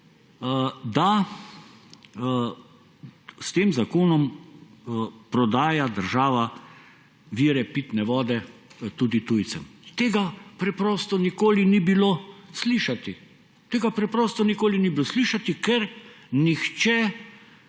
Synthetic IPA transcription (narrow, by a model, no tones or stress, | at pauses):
d̪a | st̪eːmzakoːnɔm | pɾɔd̪aːjad̪əɾʒaːʋa | ʋiːɾɛpiːt̪nɛʋɔːd̪ɛt̪uːd̪it̪ujt̪sɛmt̪eːɡapɾɛpɾɔːst̪ɔnikoːlinibilosliːʃat̪i | t̪eːɡapɾɛpɾɔːst̪ɔnikoːlinibilosliːʃat̪ikɛɾ | nixt͡ʃɛ